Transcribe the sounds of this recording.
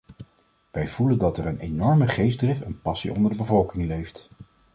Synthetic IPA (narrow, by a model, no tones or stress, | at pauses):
ʋɛjv̥uləndɑtɛɹənenɔɹməχejzdrɪfənpɑsḭʔɔ̰ndəɹdəbəvɔlˠkɪŋlejft